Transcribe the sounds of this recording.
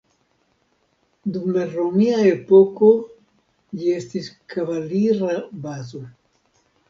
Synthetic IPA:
dumlaɾomiaepoko̞ | d͡ʒie̞stiskʰavaliɾabazo

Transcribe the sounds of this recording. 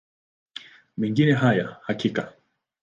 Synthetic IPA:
mɛŋɡinɛɦajahakika

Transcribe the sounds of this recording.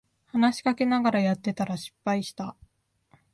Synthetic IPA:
hanaɕi̥kake̞naɡaɾajat̪ːe̞t̪aɾaɕi̥pːaiɕi̥t̪a

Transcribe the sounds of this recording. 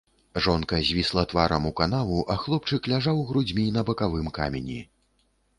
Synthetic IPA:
ʐɔnkɐzʲvʲislˠɐt̪vaɾɐmukanavuʔaxlˠɔp̚t͡ʂɨklʲaʐawɣɾud͡zʲmʲinɐbɐkavɨmka̰mʲɛnʲḭ

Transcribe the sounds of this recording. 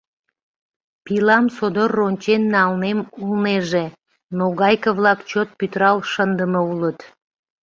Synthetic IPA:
pilɑmsod̪orːonʲt͡ɕenːɑlnemulneʒe | noɣɑjkəβlɑkt͡ɕot̪̚pyt̪ɾɑlʃənd̪əməulət̪

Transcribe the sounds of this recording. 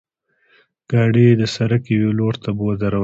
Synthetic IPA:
ɡ̥ɑɖed̪əsaɾakeweloɾt̪abod̪aɾaw

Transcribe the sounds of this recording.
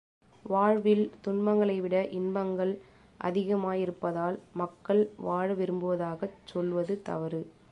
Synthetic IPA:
ʋaːɻʋɪlt̪ʊɳbɐŋɡɐɭɐɪʋɪɽɐʔɪnbɐŋɡɐɭ | ʔɐ̰ðɪɣɐmaːjɪɾɯpːɐðaːlmɐkːɐɭʋaːɻɯʋɪɾɯmbɯʋɐðaːɣɐt͡ʃːɔlʋɐðɯt̪ɐ̰ʋɐɾɯ

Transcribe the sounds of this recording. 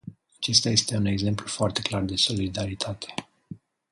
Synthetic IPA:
at͡ʃe̞st̪aje̞st̪e̞une̞ɡze̞mplufoart̪e̞klard̪e̞so̞lid̪aɾit̪ʰat̪ʰe̞̥

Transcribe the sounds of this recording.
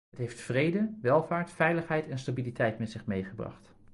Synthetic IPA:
ɦətɦejftfrejdəʋɛlˠvaːɹtfɛjləχɦɛjtɛnstabilitʰɛjtmɛtsɪχmejχəbrɑ̰χt

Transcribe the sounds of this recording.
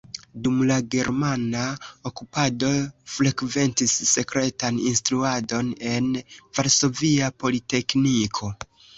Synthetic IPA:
dumlaɡe̞ɾmanaokupado̞fɾe̞kve̞ntisːe̞kɾe̞taninstɾuado̞ne̞nvaɾso̞viapo̞lite̞knikʰo̞

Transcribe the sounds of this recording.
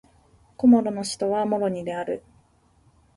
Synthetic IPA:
ko̞mo̞ɾo̞no̞ɕi̥t̪o̞βamo̞ɾo̞ɲ̟id̪e̞aɾɯ̰

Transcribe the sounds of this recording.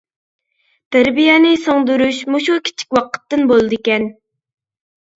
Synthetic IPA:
t̪ʰæɾbijɛnɨsoŋd̪uɾuʃmuʃukʲʰi̥t͡ʃʰi̥kʲwɑqʰə̥t̪ːɨnbolˠɨd̪ɨkʲɛn

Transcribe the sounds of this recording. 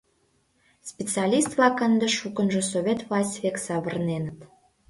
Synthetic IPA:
spʲet͡sɛɑlʲist̪vlɑkənd̪eʃukə̆nʒə̆soβʲet̪vlˠɑsʲtʲβʲeksɑβərnenət̪

